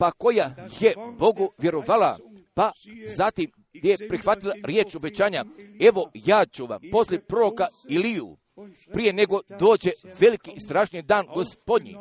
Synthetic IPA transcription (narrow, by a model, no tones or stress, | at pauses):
pako̞jajebo̞ɡoʋje̞ɾoʋaːla̰ | pazat̪im | d̪ejepɾixʋat̪ilˠaɾje̞ːt͡ʃo̞bet͡ɕaːɲae̞ʋo̞jaːt͡ʃuʋa̰mpo̞slʲjepɾoɾokailijṵ | pɾije̞neɡo̞d̪o̞ːd͡ʑe̞ʋe̞likist̪ɾaːʃnid̪aːnɡo̞spo̞d̪ɲḭ